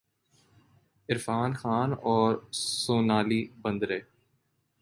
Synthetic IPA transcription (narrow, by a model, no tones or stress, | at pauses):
ɪɾfaːnxaːnɔːɾsoːnaːliːbə̃nd̪ɾeː